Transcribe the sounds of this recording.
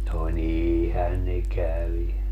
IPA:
no niːihæn ne kæʋi

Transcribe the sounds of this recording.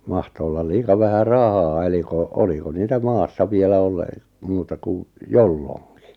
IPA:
mɑhto olːɑl liːkɑ ʋæhæ rɑhɑː eli ko oliko niːtæ mɑːsːɑ ʋielæ ole muːtɑ ku jolːoŋki

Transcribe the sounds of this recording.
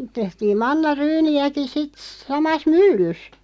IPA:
tehtiːm mɑnːɑryːniæki sit sɑmɑs mylːys

